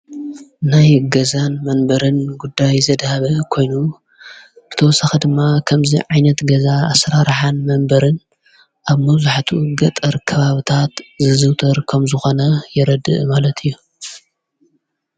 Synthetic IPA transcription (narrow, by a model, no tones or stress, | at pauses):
najɡɐzanmɐnbɐɾɨnɡud̪ːajzɐd̪haβɐkʰo̞jnu | bɨt̪ʰɐwɔsaxɐd̪ɨmːakʰɐmzḭʕajnɐt̪ɡɐzaasɾaɾħanmɐmbɐɾɨn | ʔaβmɐβzuħt̪ʰuɡɐt̪ʼɐɾkʰɐβaβɨt̪ʰat̪zɨzɨwt̪ʰɐɾkʰɐmzɨxo̞nɐjɪɾɐd̪ɨ̰ʔmalɐt̪ʰɨjːu